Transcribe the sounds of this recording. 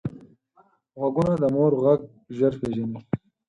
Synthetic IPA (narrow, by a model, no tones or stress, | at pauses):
ɣɐɡunad̪əmoːɾɣaɡ̚ | ʒɐɾpʰeʒɐni